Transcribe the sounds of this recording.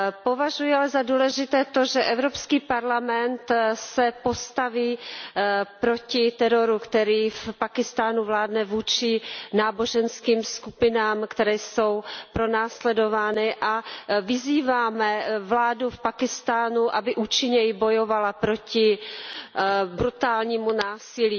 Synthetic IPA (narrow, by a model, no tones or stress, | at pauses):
po̞vaʒujɪalɛzaduːlɛʒɪt̪ɛːt̪o̞ʒɛʔɛvɾo̞pskiːpaɾlamɛnt̪sɛpo̞st̪aviː | pɾo̞cɪt̪ɛɾo̞ɾukt̪ɛɾiːfpakɪst̪aːnuvlaːdnɛvuːt͡ʃɪnaːbo̞ʒɛnskiːmskupɪnaːmkt̪ɛɾɛːso̞wpɾo̞naːslɛdo̞vaːnɪʔavɪziːvaːmɛvlaːdufpakɪst̪aːnuʔabɪʔuːt͡ʃɪɲɛjɪbo̞jovalapɾo̞cɪ | bɾut̪aːlɲiːmunaːsɪliː